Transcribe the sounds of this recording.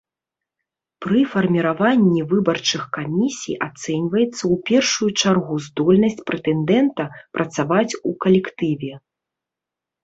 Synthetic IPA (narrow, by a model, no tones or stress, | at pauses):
pɾɨfɐrmʲiɾavanʲːivɨbɐrt͡ʂɨxkamʲisʲḭjʔat̪sɛnʲvɐjɛt̪sːɐwpʲɛrʂujut͡ʂarɣuzd̪ɔlʲnɐsʲt͡sʲpɾɛt̪ɛnd̪ɛnt̪ɐpɾʔɐt̪savat͡sʲukɐlʲɛkt̪ɨvʲɛ